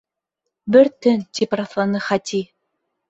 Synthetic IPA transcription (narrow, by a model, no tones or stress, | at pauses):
bɘɾt̪ɵnt̪ipɾɑθlˠɑnɤχæt̪ʲʰi